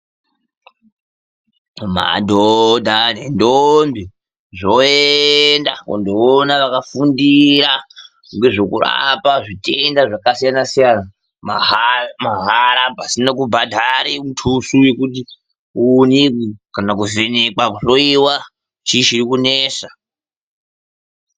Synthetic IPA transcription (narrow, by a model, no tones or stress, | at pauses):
ma̰dʱodʱanendombi | ʐoendakṵndoːnaʋakafundiɾa | ŋɡe̞ʐokṵra̰paʐitʰendaʐakasijanasijana | mamaɦaɾapasinak̬ubʱadʱaɾimutʰusujekuti | unikikanakuvenekakuɬoiwa | t͡ʃiʃiɾikuneːsa